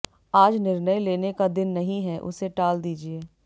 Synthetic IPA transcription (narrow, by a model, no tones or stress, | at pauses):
aːd͡ʒnɪɾnəjleːnekad̪ɪnːɐɦĩɦɛʔʊ̰seʈaːld̪iːd͡ʒieː